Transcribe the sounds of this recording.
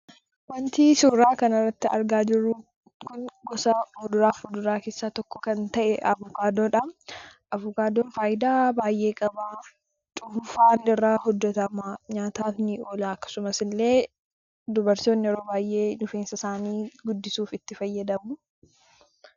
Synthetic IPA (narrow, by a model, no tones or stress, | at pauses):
wɐnt̪iːsuːɾaːkɐnɐrːɐt̪ːɪɐ̰ɾɡaːd͡ʒɪɾːuː | kʊnɡɔsɐɔd̪ʊɾaːfɔd̪ʊɾaːkeːsːaːt̪ɔkːɔkɐnt̪ɐʔɛʔɐvʊkaːd̪oᶑɐmʔɐvʊkaːd̪oːnfaːʔɪd̪aːbaːjʔe̞ːkʼɐbaː | t͡ʃʼʊffaːnd̪ɪrːaːhɔd̪ːɔt̪ɐmaːɲaːt̪aːfnɪoːlaːɐkːɐ̥sʊmɐsɪlːe̞ː | d̪ʊbɐɾt̪oːnːɪɔɾoːbaːjʔe̞ːnʊfeːnsɐsaːniːɡʊd̪ːɪsuːfɪt̪ːɪfɐjːɐd̪ɐmʊ